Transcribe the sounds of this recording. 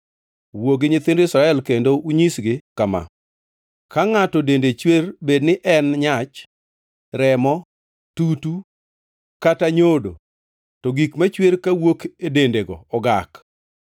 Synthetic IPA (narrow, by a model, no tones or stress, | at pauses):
woɡɪɲɪt̪ɪndoisɾaɛlkendouɲisɡɪkama̰ | kaŋatɔdendet͡ʃwerbednɪʔɛnɲat͡ʃ | ɾɛmɔ | tutu | kataɲodo̰ | tɔɡikmat͡ʃweɾkawokedendeɡɔ̰ɔɡak